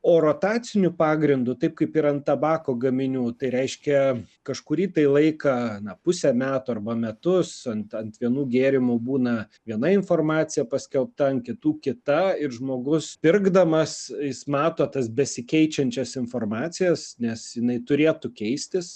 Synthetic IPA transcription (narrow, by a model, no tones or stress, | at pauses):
oːɾoːt̪ɑːt͡s̪ʲɪnʲʊpɑːɡɾʲɪnd̪ʊt̪ɐɪp̚kɐɪpɪɾɐnt̪̚tɐbɑːkoːɡɐmʲɪnʲuːt̪ɐɪɾʲɛɪʃʲkʲɛkɐʃkʊɾʲiːt̪ɐɪlˠɐɪkɐnɐpʊsʲɛmʲæːt̪ʊɐrbɐmʲɛt̪ʊsɐnt̪ɐnt̪ʋʲiɛnuːɡʲeːɾʲɪmʊbuːnɐ | ʋʲiɛnɐɪnfoːrmɑːt͡ssʲɪjɛpɐsʲkʲɛlˠp̚t̪ɐɐn̚kʲɪt̪uːkʲɪt̪ɐɪɾʒmoːɡʊspʲɪrɡd̪ɐmɐsjɪsmɑːt̪oːt̪ɐsbʲɛsʲɪkʲɛɪt͡ʃʲɛnʲt͡ʃʲɛsɪnfoːrmɑːt͡s̪ʲɪjɛsnʲɛsjɪnɐɪt̪ʊɾʲeːt̪ʊkʲɛɪsʲt̪ʲɪs